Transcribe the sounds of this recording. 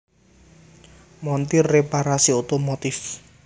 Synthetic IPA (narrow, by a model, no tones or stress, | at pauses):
mɔnt̪irːepaɾasiot̪omot̪ɪf